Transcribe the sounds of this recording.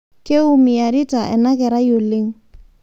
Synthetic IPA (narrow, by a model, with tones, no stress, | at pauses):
ke˦u˦mi˨a˨ɾi˦ta˨ʔɛ̰˨na˦kɛ˨ɾa˦jo˨lɪ˦ŋ